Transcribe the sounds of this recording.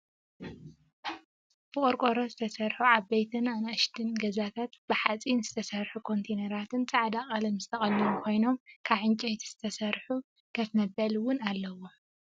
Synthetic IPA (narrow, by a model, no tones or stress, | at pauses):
b̥ɨkʼoɾkʼoɾo̞zɨt̪ʰɐsɐɾħuʕaβbejt̪ʰɨnanaɨʃd̪ɨnɡɐzat̪ʰat̪b̥ɨħat͡sʼinzɨt̪ʰɐsɐɾħukʰo̞nt̪ʰenɐɾat̪ʰɨnt͡sʼaʕd̪aχʼɐlɐmzɨt̪ʰɐxʼɐlːɐmukʰo̞jno̞mkʰaβʕɨnt͡ʃʼɐjt̪ʰiz̥ɨt̪ʰɐsɐɾħu | kʰɐt̪nɐbːɐlwʊnalːɐwo̞